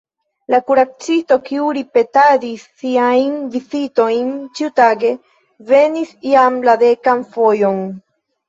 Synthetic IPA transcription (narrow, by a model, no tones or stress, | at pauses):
lakuɾat͡sisto̞kiuɾipe̞tadisːiajnvizito̞jnt͡ʃiutaɡe̞ | ve̞nisiamlade̞kanfo̞jo̞n